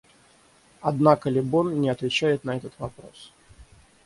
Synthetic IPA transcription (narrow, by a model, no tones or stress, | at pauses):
ɐd̪nakəlʲɪbonnʲɪɐt̪vʲɪt͡ɕæjɪt̪nɐɛt̪ət̪vɐpɾo̞̰s